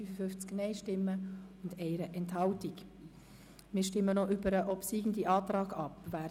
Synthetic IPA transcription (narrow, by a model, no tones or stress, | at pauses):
yfəfʏft͡sknɛɪʃtɪmːəʊndɛɪɾəʔɛnthɑltik | mɪːɾʃtɪmːənɔʔybəɾəʔɔpsiːɡn̩diʔɑːtɾɑːɡɑpvæː